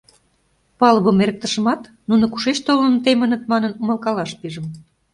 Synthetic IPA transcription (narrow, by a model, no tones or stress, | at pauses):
pɑləβəmeɾə̆k̚t̪əʃə̆mɑt̪ | nunŏku̥ʃet͡ɕt̪olənt̪emə̆nə̆t̪̚mɑnənuməlkɑlɑʃpiʒə̆m